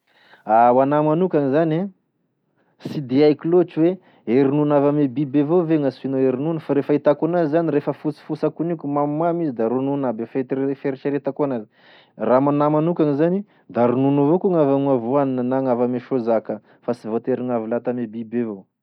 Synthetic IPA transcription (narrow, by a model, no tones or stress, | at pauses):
awanamanukʲaŋizana | sid̪eajkilot͡ʃiwe | eɾinunavamebibevoveŋasuinoeɾinunəfaɾefəit̪akunazizaniɾefəfut͡si̥fusakunikʲumammamizid̪aɾununabefefeɾt͡ʃeɾet̪akoanazi̥ | ramanamanukʲaŋizani | d̪aɾununovokuŋavamavuaninənaŋavameʃozakə | fasivot̪eɾiŋavilat̪amebibevo